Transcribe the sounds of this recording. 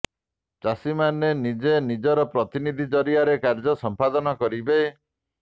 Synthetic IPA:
t͡ʃasimanenid͡ʒenid͡ʒɔɾɔpɾɔt̪inid̪ʱid͡ʒɔɾiaɾekaɾd͡ʒɔsɔmpad̪ɔnɔkɔɾibe

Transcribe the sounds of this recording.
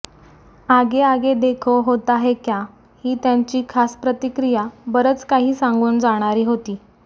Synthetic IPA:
aɡeaɡed̪ekʰoɦot̪aɦekja | hiːt̪jaɲt͡ɕiːkʰaspɾət̪ikɾijabəɾət͡skaɦiːsaŋɡuːɳd͡zaɽ̃aɾiːɦot̪iː

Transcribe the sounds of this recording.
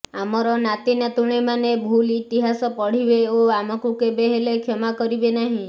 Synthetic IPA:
amɔɾɔnat̪inat̪uɽ̃imanebʱulit̪iɦasɔpɔɽ̤ibeoamɔ̃kukebeɦelekʰɔmakɔɾibenaɦĩ

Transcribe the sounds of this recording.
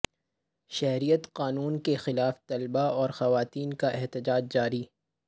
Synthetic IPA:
ʃɛɦɾijət̪qaːnuːnkexɪlaːft̪ɐlbaɔːɾxɐʋaːt̪iːnkaʔɛɦt̪ɪd͡ʒaːd͡ʒd͡ʒaːɾiː

